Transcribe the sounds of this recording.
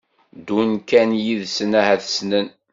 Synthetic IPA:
d̪unkænjiðsənæhæθsnən

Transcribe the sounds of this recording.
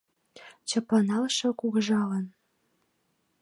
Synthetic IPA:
t͡ɕɤ̆pɑnɑlʃɤ̆kuɣʒɑlɤ̆n

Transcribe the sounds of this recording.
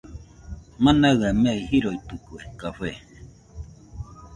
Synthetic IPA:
mãnaɰɣameihiɾoit̪ukuekaɸe

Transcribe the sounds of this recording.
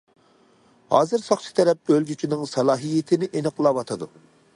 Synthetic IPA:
hɑ̰ːzɨɾsɑχt͡ʃʰi̥t̪ʰɛɾɛp̚ølɡʲyt͡ʃʰinɪŋsɑlˠɑːɦijet̪ʰɪnɪʔenɨqʰlˠɑwɑt̪ʰɨd̪u

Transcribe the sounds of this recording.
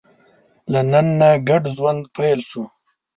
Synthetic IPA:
lananːaɡaɖʒwand̪̚pʰelʃu

